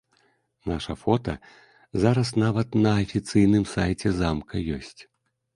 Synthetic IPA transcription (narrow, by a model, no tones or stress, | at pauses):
naʂɐfɔt̪ɐ̰ | zaɾɐs̬navɐt̪nɐːfʲit̪sɨjnɨmsajt͡sʲɛzamkɐjɔ̰sʲt͡sʲ